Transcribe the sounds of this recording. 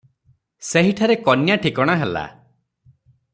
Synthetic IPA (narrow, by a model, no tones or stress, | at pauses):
seɦiʈʰaɾekɔnjaʈʰikɔɽ̃aɦela̰